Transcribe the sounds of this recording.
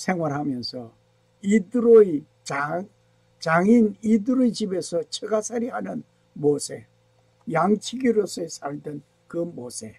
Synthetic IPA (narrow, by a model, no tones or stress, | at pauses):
sʰe̞ŋwaɾɦamjʌnsʰʌ | idɯɾoi | t͡ɕaŋ | t͡ɕaŋinidɯɾɯt͡ɕibe̞sʰʌt͡ɕʰeɡasʰaɾiɦanɯn | mosʰe̞ | jaŋt͡ɕʰiɡiɾosʰeesʰaɭden | kɯmosʰe